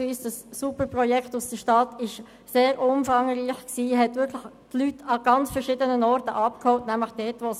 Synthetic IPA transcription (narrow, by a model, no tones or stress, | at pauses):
iːsd̥ɑsːupəɾpʁɔjɛktʊsd̥əʃtɑtɪʃ | seːɾʔʊmfɑŋʁiːxksiːɦɛtʋɪɾkʰlɪx | tlytʰɑɡ̥ɑnt͡sfəɾʃɪdənənɔɾtəʔɑp̚khɔʊtnæmləχd̥ɛːtʋos